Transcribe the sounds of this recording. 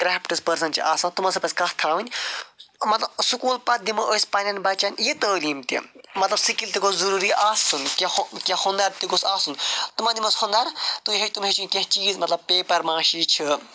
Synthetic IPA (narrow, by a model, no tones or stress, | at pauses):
kɾaːpʰʈɨspɐɾsɐnt͡ʃiʔaːsãnt̪umɐsɐpɐsʲkɐht̪ʰaːʋɨnʲ | mɐt̪lɐbsukuːlpɐd̪imɐʔoːsʲpɐnʲɐnʲbɐt͡ʃanʲjit̪əːliːmt̪ḭmɐt̪lɐbsikilʲt̪iɡozuɾuːɾiʔaːsunkʲɐkʲɐhund̪aɾt̪iɡosaːsunt̪umɐd̪imɐshund̪aɾt̪uɦet͡ʃt̪umɦet͡ʃʰunʲkʲɐ̃ɦt͡ʃiːzmɐt̪lɐb̚peːpɐɾmãːʃiːt͡ʃʰi